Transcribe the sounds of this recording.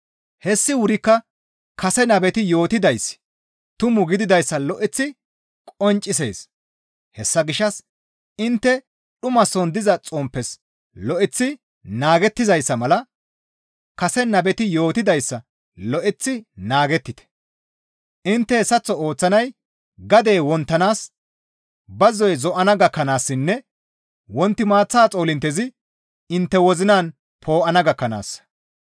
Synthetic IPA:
hɛsːɪwʊɾɪkːɐ | kɐsɛnɐbɛt̪ɪjo̞ːt̪ɪd̪ɐjs | t̪ʊmʊɡɪd̪ɪd̪ɐjsːɐlɔʔɪt͡sːɪ | kʼɔnt͡ʃʼːɪs̬eːs | hɛsːɐɡɪʃːɐs | ɪnt̪ːɛ | ɗʊmɐsɔnd̪ɪzɐt͡sʼɔmpːɛs | lɔʔɪt͡sːɪ | naːɡɛt̪ːɪzɐjsːɐmɐlɐ | kɐsɛnːɐbɛt̪ɪjo̞ːt̪ɪd̪ɐjsːɐ | lɔʔɪt͡sːɪnaːɡɛt̪ːɪt̪ɛ̥ | ʔɪnt̪ːɛsɐt͡sːɔoːt͡sːɐnɐj | ɡɐd̪e̞ːwɔnt̪ːɐnaːs | bɐzːɔjzɔʔɐnɐɡɐkːɐnaːsːɪnːɛ | wɔnt̪ːɪmaːt͡sːaːt͡sʼo̞ːlɪnt̪ːɛzɪ | ɪnt̪ːɛwɔzɪnaːn | pʰo̞ːʔɐnɐɡɐkːɐna̰ːsːɐ̥

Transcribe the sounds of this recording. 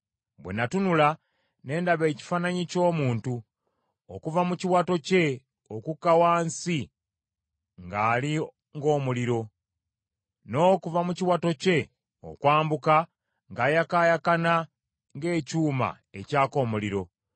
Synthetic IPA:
bwḛnatunula | ne̞ːndaβe̞ːci̥fanaɲico̞ːmuːntu | okuvamuciwato̞ce̞ | okukːawaːnsi | ŋɡaːli | ŋɡo̞ːmuliɾo̞ | no̞ːkuvamuciwato̞ce̞ | o̰kwaːmbuka | ŋɡaːjakaːjakana | ŋɡe̞ːcuːma̰ | e̞caːko̞ːmuliɾo̞

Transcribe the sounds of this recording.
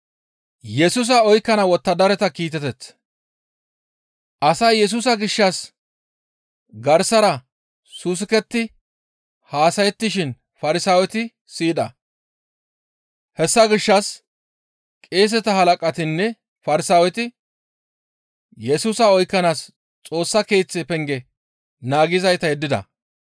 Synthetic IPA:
jɛsuːs̬ɐɔjkːɐnɐwɔt̪ːɐd̪ɐɾɛt̪ɐkiːt̪ɛt̪ɛt͡s | ʔɐsɐjjɛs̬uːs̬ɐɡɪʃːɐs | ɡɐɾsɐɾɐ | sus̬ɪkɛt̪ːɪ | haːsɐjɛt̪ːɪʃɪn | fɐɾɪsaːwɛt̪ɪ | siːᶑɐ | hɛsːɐɡɪʃːɐs | kʼe̞ːs̬ɛt̪ɐɦɐlɐkʼɐt̪ɪnːɛ | fɐɾɪsaːwɛt̪ɪ | jɛsuːsɐɔjkːɐnaːs | t͡sʼo̞ːsːɐke̞ːt͡sːepɛŋɡɛ | naːɡɪzɐjt̪ɐjɛd̪ːɪd̪ɐ̰

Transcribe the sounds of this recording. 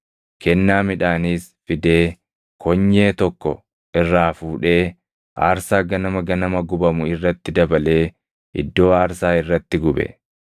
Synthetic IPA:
kɛnːaːmɪᶑaːniːsfɪd̪e̞ː | kʰɔɲːe̞ːt̪ɔkːɔ̰ | ʔɪrːaːfuːᶑe̞ː | ʔa̰ːɾsaːɡɐnɐmɐɡɐnɐmɐɡʊbɐmʊɪrːɐt̪ːɪd̪ɐbɐle̞ː | ɪ̰d̪ːo̞ːaːɾsaːɪrːɐt̪ːɪɡʊbɛ̰

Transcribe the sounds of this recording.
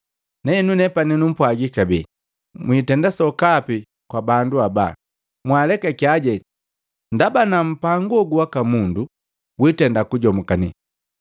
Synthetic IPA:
nɛɛnunɛpaninum̩pwaɡikabi | mwiːtɛndasɔkapi | kwabanduaba̰ | mwalɛkɛkiaɟɛ | ndabanam̩paŋɡɔɡuwakamundu | witɛndakuɟɔmukanḭ

